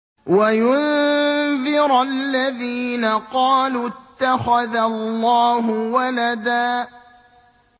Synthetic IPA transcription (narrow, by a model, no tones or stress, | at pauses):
wajʊn | ðɪɾllːaðiːnaqɑːluːt̪ːaxaðallːɑːɦʊwalad̪aː